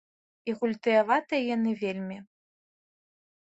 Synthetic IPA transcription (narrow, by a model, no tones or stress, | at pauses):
iɣulʲt̪ɨjavat̪ɨjɛjanɨvʲelʲmʲi